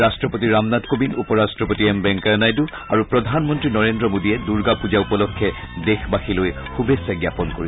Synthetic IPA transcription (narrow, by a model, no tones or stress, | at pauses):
astɹɔpotiɹamnatkobinupɔɹastɹɔpotiɛmbɛŋkanajdu | aɹupɹɔdʱanmɔntɹinɔɹendɹɔmodiɛduɹɡapuzaupɔlɔkʰːɛ | dexbaxiloj | xʰubesaɡjapɔnkoɹi